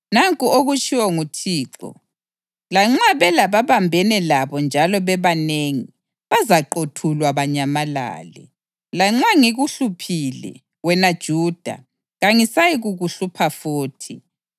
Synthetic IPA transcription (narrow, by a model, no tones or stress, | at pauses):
naŋkʼuoɣut͡ʃʼiwɔŋutʰiːǁɔ̰ | laŋ͡ǁaβɛlaβaβambʱɛnɛlaβɔnd͡ʒʱalɔβɛβaneŋi | βazaǃotʰulwaβaɲamala̰ːlɛ̰ | laŋ͡ǁaŋiɣuɬupʰilɛ̰ | wɛnad̥ʒ̥ʱuːd̥ʱa̰ | ɣaŋisajiɣuɣuɬupʰafoːtʰi